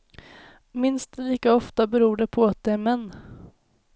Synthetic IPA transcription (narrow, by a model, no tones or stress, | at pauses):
mɪnst̪̚d̪liːkaɔft̪abɛɾuːɖɛpʰɔat̪̚d̪ɛæɾmɛnː